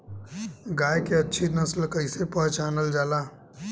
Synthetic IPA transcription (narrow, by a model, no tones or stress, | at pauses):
ɡaːjkeɐtːʃʰinɐslkəɪsepəɦt͡ʃaːnəld͡ʒaːlaː